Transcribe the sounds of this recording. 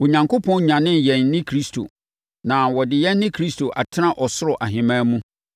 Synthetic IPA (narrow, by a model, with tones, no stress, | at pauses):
wo˨ɲã˨ŋkʰʊ˦pʰɔ̃˦nɲã˨nɪ̃˦n˨jɛ˨nː˦ɪ̃˦kʰɾi˦stʰo̰˨ | nã˨wɔ˨dɪ˨jɛː˦ɪ̃˦kʰɾi˦stʰo˨ʔa˨tʰɪ˦nã˦ʔɔ˨sʊ˦ɾɔ˨ʔa˨ɦɪ̃˨mãː˦mũ˦